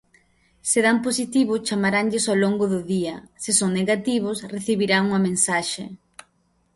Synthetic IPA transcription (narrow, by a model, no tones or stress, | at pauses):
seðamposit̪iβ̞ʊt͡ʃamaɾaŋʎɪsaloŋɡʊðʊðiɐsɪsoŋneɣat̪iβ̞ʊsreθiβiɾaŋuŋɐmẽnsaʃḛ